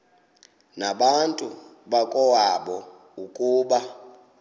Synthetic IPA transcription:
naɓantʼuɓakʼɔwaɓɔ | ukʼuːɓa

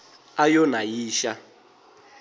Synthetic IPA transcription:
ajɔnajiːʃa

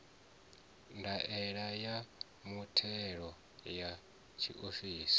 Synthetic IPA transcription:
ndaʔɛɺaja | mutʰɛɺɔ | ja | t͡ʃʰḭʔofiːsi̥

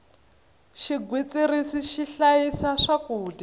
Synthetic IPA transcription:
ʃiɡwit͡sʼirisiʃiɬajisaʂakuːdi

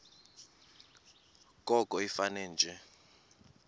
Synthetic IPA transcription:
kʼɔkʼɔifanɛːnd͡ʒʱɛ

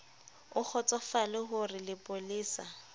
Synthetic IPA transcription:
ʊk͡xʰɔt͡sʼɔfalɪɦʊrɪlɪpʼʊliːsa

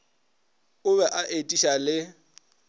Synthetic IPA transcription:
ʊβɛʔaʔetʼiʃalɪ

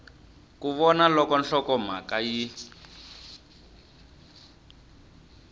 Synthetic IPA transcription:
kuβɔnalɔkɔnɬɔkɔm̤a̰kaji

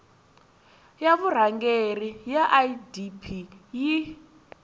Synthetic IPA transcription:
jaβur̤aŋɡerijaʔaidipʰiji

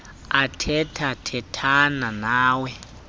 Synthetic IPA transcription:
atʰɛtʰatʰɛtʰananaːwɛ

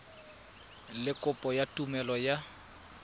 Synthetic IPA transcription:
lɪkʼʊpʼɔjatʼumɛlɔja

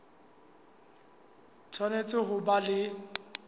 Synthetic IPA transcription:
t͡sʰwanet͡sʼɪɦʊbalɪ

